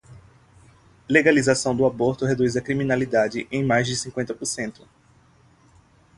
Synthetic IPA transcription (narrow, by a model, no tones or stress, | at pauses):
leɡalizasɐ̃w̃d̪ʊaboɾt̪ʊɦed̪uzɐkɾimĩnalid̪ad͡ʒɪʔẽj̃majzd͡ʒɪsĩŋkwẽnt̪ɐpoɾsẽnt̪ʊ̥